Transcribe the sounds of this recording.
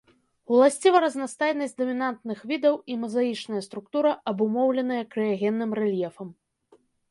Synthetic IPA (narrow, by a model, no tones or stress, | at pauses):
ulˠasʲt͡sʲivɐɾɐznast̪ajnɐsʲtʲd̪ɔmʲinant̪nɨxvʲid̪ɐwimɐzajit͡ʂnɐjɐst̪ɾukt̪uɾɐʔɐbumɔwlʲɛnɐjɐkɾɨjaɣʲɛnːɨmɾɛlʲjɛfɐm